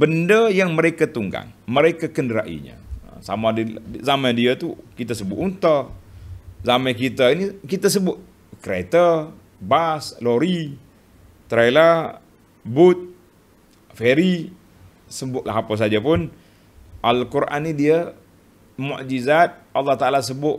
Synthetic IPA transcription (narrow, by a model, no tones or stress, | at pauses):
bəndəjaŋməɾekat̪uŋɡa̰ŋməɾekakəndəɾa̰ʔḭɲə̰sa̰madizamajdiət̪ukit̪asəbʊʔ̪unt̪ə | zamajkit̪ainikit̪as̬əbʊt̪̚ | kɾḛt̪ə | basloɾi | t̪ɾala | bʊt̪̚ | feɾi | səbʊʔ̪̚lʔa̰ɦapəs̬ad͡ʒapʊn | ʔalkuɾʔa̰nːidiə | mṵʔd͡ʒizat̪̚ʔɑlːɑht̪aʔalas̬əbʊʔ